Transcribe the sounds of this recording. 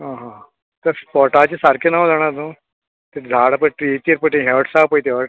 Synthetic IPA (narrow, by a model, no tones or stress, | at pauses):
ɦãɦã | t̪əɾpɔʈat͡ɕesaɾkʰenawd͡zaɽ̃aɾno | t̪eɾd͡zʱaɽpəʈɾit̪iɾpəʈẽɦeʋəʈsapojt̪eʋəʈ̚